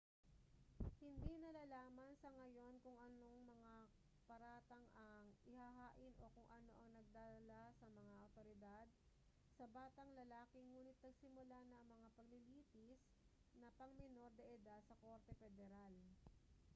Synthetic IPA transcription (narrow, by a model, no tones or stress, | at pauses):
hɪnd̪inɐlaːlaːmɐnsɐŋɐjo̞nkʊŋʔɐno̞ŋmɐŋa | pɐɾaːt̪ɐŋʔɐŋʔɪhaɦaːʔɪnʔo̞kʊŋʔɐno̞ʔɐŋnɐɡ̚d̪aːd̪ɐlasɐmɐŋaʔɐt̪oɾɪd̪ad̪̚ | sɐbaːt̪ɐŋlɐlaːkɪŋuːnɪt̪̚nɐɡsɪmʊlanɐʔɐŋmɐŋapɐɡ̚lɪliːt̪ɪs | nɐpɐŋmɪno̞ɾd̪ɐʔɛd̪ad̪sɐko̞ɾt̪ɛfɛd̪ɛɾal